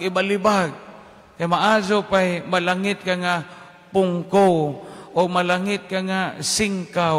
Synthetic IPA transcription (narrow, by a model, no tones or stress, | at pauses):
ɡibalibaɡ̚ | kajmaʔazʊpajmalaŋɪt̪̚kaŋa | pʊŋkowʊɡ̚malaŋɪt̪̚kaŋasɪŋka